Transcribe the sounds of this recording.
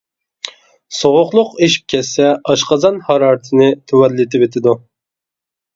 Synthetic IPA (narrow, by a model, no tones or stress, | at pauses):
soʁʊqlˠʊqeʃi̥p̚kʲʰɛsːɛɑʃqɑzɑnhɑɾɑːɾɨt̪ʰɨnɨt̪ʰuwɛlːɪt̪ʰɪpet̪ʰɪd̪u